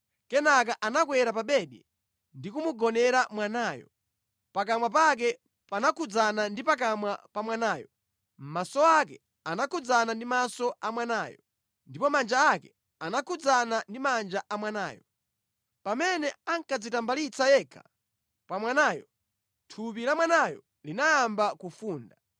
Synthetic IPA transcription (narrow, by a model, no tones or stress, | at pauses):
kɛnak̬aʔanakwɛɾapaɓɛɗɛ̰ | ndikumuɡɔnɛɾamwanaːjɔ̰ | pakamwap̬ak̬ɛ | panakʰud͡zanandipakamwapamwanaːjɔ | m̩masɔak̬ɛ | anakʰud͡zanandimasɔamwanaːjɔ̰ | ndipɔmand͡ʒaːkɛ | anakʰud͡zanandimand͡ʒaʔamwanaːjɔ | pamɛnɛaŋkad͡zitambalit͡sʰajɛkʰḁ̰ | pamwanaːjɔ | tʰupilamwanajɔ̰ | linajambakufuːnda